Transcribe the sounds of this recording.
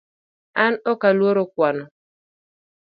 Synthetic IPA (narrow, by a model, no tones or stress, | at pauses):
anokaluoɾokʷanɔ